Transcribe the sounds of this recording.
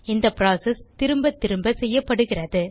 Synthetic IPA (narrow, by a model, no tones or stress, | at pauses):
ɪnd̪ɐpɾaːsɛst̪ɪɾɯmbɐt̪ːɪɾɯmbɐsɛjːɐpːɐɽɯɣɪrɐðɯ